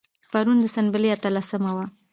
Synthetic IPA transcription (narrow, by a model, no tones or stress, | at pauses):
xpaɾund̪əsanbəleat̪alasəmawa